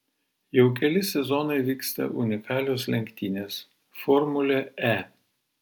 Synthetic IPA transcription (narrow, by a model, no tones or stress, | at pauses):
jɛʊkʲɛlʲɪsʲɛzɔnɐɪʋʲiːkst̪ɐ̰ʔʊnʲɪkɑːlʲoːslʲɛŋʲkʲt̪ʲiːnʲeːs | fɔɾmʊlʲɛɛ